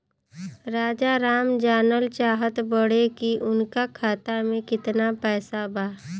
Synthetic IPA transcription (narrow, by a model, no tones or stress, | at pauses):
ɾaːd͡ʒaɾaːmd͡ʒaːnəlt͡ʃaːɦət̪bəɽekiʔʊnkakʰaːt̪amẽkɪt̪napɛːsabʱaː